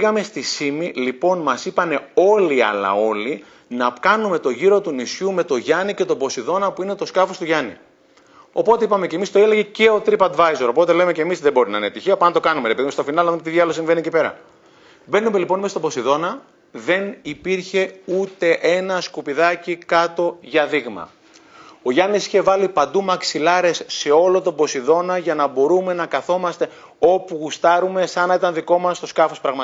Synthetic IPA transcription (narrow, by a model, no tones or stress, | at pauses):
iɣɐme̞st̪isimilipo̞nmɐsipɐne̞o̞liɐ̰lɐ̰o̞li | nɐkɐnume̞t̪o̞ʝiɾo̞t̪unisçume̞t̪o̞ʝɐnice̞t̪o̞bo̞siðo̞nɐpuinet̪o̞skɐfo̞st̪uʝɐnḭ | o̞po̞t̪e̞ipɐme̞cemist̪oeleʝe̞ce̞o̞t̪ɾipɐd̪vɐjzo̞ɾo̞po̞t̪e̞le̞me̞ce̞mizðebo̞ɾinɐinept̪içiɐpɐnt̪okɐnume̞ɾepeðimest̪o̞finɐlnɐðumet̪iðjɐlosĩɱveniecipe̞ɾɐ̰ | be̞nume̞lipo̞nmest̪obo̞siðo̞nɐ | ðe̞nipiɾçe̞ut̪e̞ʔe̞nɐskupiðɐcikɐt̪o̞ʝɐðiɣmɐ̰ | o̞ʝɐnisiçe̞vɐlipɐnd̪umɐksilɐɾe̞sːe̞o̞lo̞t̪o̞bo̞siðo̞nɐʝɐnɐbo̞ɾume̞nɐkɐθo̞mɐst̪e̞ | o̞puɣust̪ɐɾume̞sɐnɐit̪ɐnðiko̞mɐst̪o̞skɐfospɾɐɣmɐ